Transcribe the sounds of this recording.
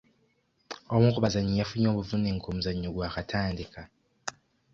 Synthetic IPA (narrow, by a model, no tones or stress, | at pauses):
omuŋkʰʼuɓazaɲijafuɲoβuvuneŋ̩kʰom̩zaɲokwakatʰandʱikʰa